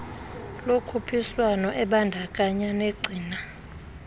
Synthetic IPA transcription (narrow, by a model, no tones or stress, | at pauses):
lokʰupʰiswanɔʔɛɓandʱakʼaɲaneɡ͡ǀʱiːna